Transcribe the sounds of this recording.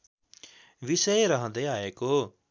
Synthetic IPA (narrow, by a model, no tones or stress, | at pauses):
ʋɪseɾɐɦãd̪eaːekoː